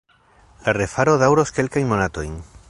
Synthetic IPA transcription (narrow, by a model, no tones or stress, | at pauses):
larefaɾoðawɾoske̞lkajnmonat̪ojn